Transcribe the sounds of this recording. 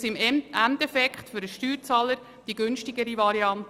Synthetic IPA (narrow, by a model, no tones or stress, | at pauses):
sɪmæntɛfɛkχtfʏɾəʃtyːɾt͡sɑːləɾ | d̥iɡʏnʃtɪɡəɾivɑɾiɑnt